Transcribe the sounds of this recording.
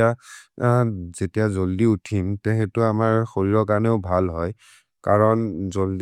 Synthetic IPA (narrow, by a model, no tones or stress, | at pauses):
a | z̥etijazoldiutʰimtɛɦɛtʊamaɹxoɹiɹɔk̬aɹneʊbʱalɦɔj | kaɹɔnzold